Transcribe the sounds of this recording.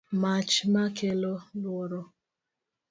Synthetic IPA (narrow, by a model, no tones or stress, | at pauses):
mat͡ʃmakelolwɔɾɔ